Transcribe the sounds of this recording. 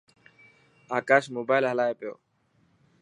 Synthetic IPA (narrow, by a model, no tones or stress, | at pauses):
aːkaːʃmoːbaːɪlɦəlaːepɪjo̰ː